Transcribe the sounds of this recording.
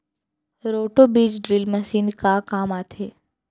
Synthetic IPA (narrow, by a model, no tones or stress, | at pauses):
ɾoːʈobiːt͡ʃɖɾiːlmɐsiːnkakaːmaːt̪ʰeː